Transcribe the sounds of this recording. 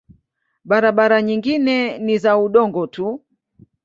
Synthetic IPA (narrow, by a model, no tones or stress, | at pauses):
ɓaɾaɓaɾaɲiŋɡinɛnizauɗɔŋɡɔtʰu